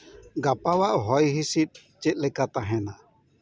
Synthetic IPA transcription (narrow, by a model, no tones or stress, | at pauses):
ɡapawaʔɦɔjɦisit̪̚ | t͡ʃɛt̪̚ˀlɛkat̪aɦɛna